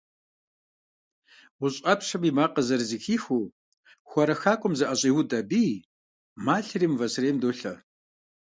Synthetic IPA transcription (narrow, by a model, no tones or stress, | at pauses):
wʊɕʼɐpʰʂɐmimaːqɐzɐrzixiːxuː | xʷɔɾɐxaːkʷʼɔmzɐʔɐɕʼiːwʊdɐbiː | maːɬriːmvɐsreːmdoːɬɐ